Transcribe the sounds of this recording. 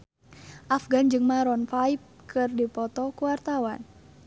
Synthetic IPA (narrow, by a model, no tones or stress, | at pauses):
ʔafɡand͡ʒɨŋmaɾɔnfaip̚kʰɨrdipɔt̪ɔkuwart̪awan